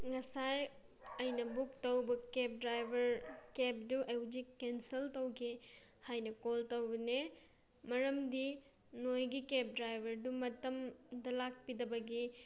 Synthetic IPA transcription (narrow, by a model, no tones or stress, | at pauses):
ŋɐsaj | ɐjnɐbuk̚tɐwbɐkep̚dɾajbʱɐɾkep̚duʔɐwd͡ʒikenseltɐwɡʰe | hajnɐkoltɐwbɐne | mɐɾɐmdi | nojɡikep̚dɾajbʱɐɾdumɐtɐmdɐlak̚pidɐbɐɡi